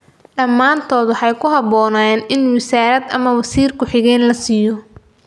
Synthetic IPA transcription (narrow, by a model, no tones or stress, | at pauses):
ɗɐmːaːnt̪ʰɔːðʊħɑjkʰʊɦɑbɔːnaːjɛːnʔɪnwɪsaːɾɐd̪ɐ̰mɐwɑsiːrkʰʊħɪɣɛːnlɐsiːjɔ